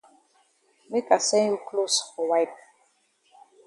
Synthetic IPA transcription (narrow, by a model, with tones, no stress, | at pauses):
mi˦ka˨sɛ̃˦ju˦klo˦so˨wa˦jp̚